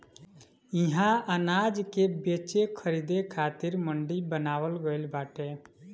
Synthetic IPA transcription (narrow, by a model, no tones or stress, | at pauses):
iɦãənaːd͡ʒkebeːt͡ʃekʰəɾid̪ekʰaːt̪ɪɾməɳɖibənaːwəlɡəɪlbaːʈe